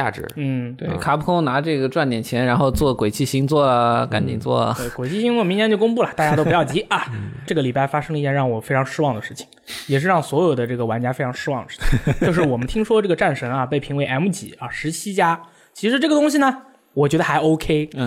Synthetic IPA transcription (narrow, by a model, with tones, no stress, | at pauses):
t͡ɕja̰˥˩ʈ͡ʂɻ̩̰˧˥n̩˥˩t̪we˥˩ɪkʰa˧˥pʰu˥kʰʊ˥ŋna˧˥ʈ͡ʂɤ˥˩ɡə˩ʈ͡ʂwa˥˩nt̪jɛ˨˩nt͡ɕʰjɛ˧˥nɻa˧˥nxo˥˧ʊt͡swɔ˥˩kwe˨˩ɪt͡ɕʰi˥˩ɕi˧˥ŋt͡swɔ˥˩ka̰˨˥˦nt͡ɕḭ˨˩ŋt͡swɔ̰˥˩t̪we˩ɪkwe˨˩ɪt͡ɕʰi˥˩ɕi˧˥ŋwɔ˥˩mi˧˥ŋnjɛ˧˥nt͡ɕjo˥˧ʊkʊ˥ŋpu˥˩lɐ˨˩t̪a˥˩t͡ɕja˥t̪o˥ʊpu˧jɑ˥˩ʊt͡ɕi˧˥ʔɐ˧ʈ͡ʂɤ˥˩ɡə˩li˨˩pa˥˩ɪfa˥ʂɤ˥ŋlə˧i˥˩t͡ɕjɛ˥˧nɻɑ˥˩ŋwɔ˨˩fe˥ɪʈ͡ʂʰɑ˧˥ŋʂɻ̩˥wɑ˥˩ŋd̪ə˩ʂɻ̩˥˩t͡ɕʰi̥˩ŋjɛ˨˩ʂ̬ɻ̩˥˧ɻɑ˥˩ŋswɔ˧˥jo˨˩ʊd̪ə˦ʈ͡ʂɤ˥˩ɡə˩wa˧˥nt͡ɕja˥fe˥ɪʈ͡ʂʰɑ˧˥ŋʂɻ̩˥wɑ˥˩ŋd̪ə˩ʂɻ̩̥˥˩t͡ɕi˩t͡ɕo˥˧ʂɻ̩˥˩wɔ˨˩mə˦nt̪ʰi˥ŋʂwɔ˥ʈ͡ʂɤ˥˩ɡə˩ʈ͡ʂa˥˩nʂɤ˧˥ŋɐ˧pe˥˩ɪpʰi˧˥ŋwe˧˥ʔa˧˥mu˥˩t͡ɕḭ˧˩˥ɐ˧ʂɻ̩˧˥t͡ɕʰi˥t͡ɕja˥ | t͡ɕʰi˧˥ʂɻ̩˧˥ʈ͡ʂɤ˥˩ɡə˩t̪ʊ˥ŋɕ̬i˩nə˩ | wɔ˨˩t͡ɕɥɛ˧˥d̪ə˧xa˧˥ɪʔo˥ʊkʰe˥ɪ˥˩